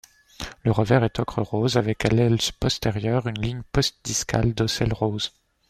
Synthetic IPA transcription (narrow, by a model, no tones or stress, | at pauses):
ləʁəvɛʁɛt̪ɔkχəʁozavɛkalɛlzpɔst̪eʁjœʁynliɲpɔst̪̚d̪iska̰ld̪ɔsɛlʁoz